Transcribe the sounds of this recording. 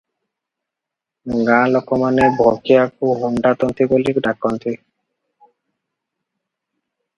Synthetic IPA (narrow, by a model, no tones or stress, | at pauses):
ɡãlɔkɔmanebʱɔkiak̚uɦuɳɖat̪ɔnt̪ʰiɡolikɖakːɔnt̪ʰi